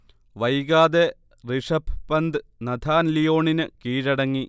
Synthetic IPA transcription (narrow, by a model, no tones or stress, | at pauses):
ʋɐjɣaːd̪e | riʂɐpʰpːɐnd̪ɨnɐd̪ʱaːnlijoːɳinɨkiːɻɐɽɐŋːi